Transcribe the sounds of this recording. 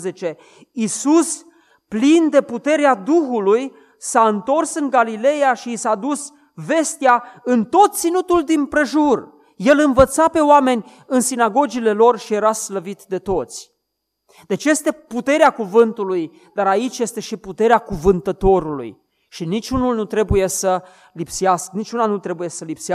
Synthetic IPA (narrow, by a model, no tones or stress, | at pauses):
zet͡ʃe̞ | isus | plind̪e̞put̪e̞ɾead̪uxuluj | saɨnt̪o̞rsɨŋɡalile̞jaʃiːsad̪us | ve̞st̪eaɨnt̪o̞t̪̚t̪sinut̪uld̪impɾe̞ʒur | je̞lɨnvət̪sape̞owame̞nʲ | ɨnsinaɡo̞d͡ʒile̞lo̞rʃije̞ɾasləvit̪d̪e̞t̪o̞t̪sʲ | d̪̥e̞t͡ʃje̞st̪e̞put̪e̞ɾeakuvɨnt̪uluj | d̪aɾait͡ʃʲje̞st̪e̞ʃiput̪e̞ɾeakuvɨnt̪ət̪o̞ɾulṵj | ʃinit͡ʃʲunulnut̪ɾe̞buje̞sə | lipsiaskənit͡ʃunanut̪ɾe̞buje̞səlipsia